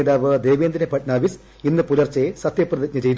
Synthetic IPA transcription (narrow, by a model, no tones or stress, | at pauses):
ðaːʋɨd̪eːʋeːnd̪ɾnɐpɐʈnaːʋis | inːɨpulɐrt͡ɕːesɐt̪jɐprɐðɐkʲnɨt͡ɕejt̪u